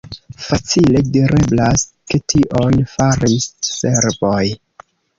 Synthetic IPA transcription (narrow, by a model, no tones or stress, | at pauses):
fat͡sile̞diɾʔe̞blas | ke̞tʰiʔo̞nfaɾisːe̞ɾbo̞j